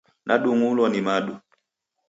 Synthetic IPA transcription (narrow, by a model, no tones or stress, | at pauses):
nʔaɗuŋulɔnimaɗu